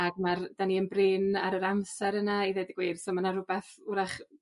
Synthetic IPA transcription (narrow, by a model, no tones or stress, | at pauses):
aɡmard̥aniənbrɪnaɾəɾamsɛɾənaiðedɪɡwiːrsɔmanarʊbɛθuɾaχ